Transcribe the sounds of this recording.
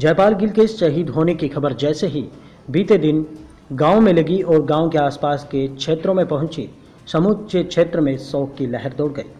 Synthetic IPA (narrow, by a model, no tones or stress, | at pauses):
d͡ʒɛːpaːlɡɪlkeɪsʃɐɦiːd̪ɦoːnekixɐbəɾd͡ʒɛːseɦi | biːt̪ed̪ɪn | ɡaːõmẽlɐɡiʔɔːɾɡãːõkeaːspaːskekʃʰeːt̪ɾõmẽpɐɦʊ̃nt͡ʃḭ | sɐmʊd̪t͡ʃekʃʰeːt̪ɾəmẽsɔːkːilɛɦɛɾd̪oːɽɡɐḭː